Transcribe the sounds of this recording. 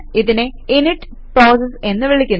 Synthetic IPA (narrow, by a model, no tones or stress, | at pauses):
iðineiniʈː | pɾoːs̬ese̞nːɨʋiɭikʲːun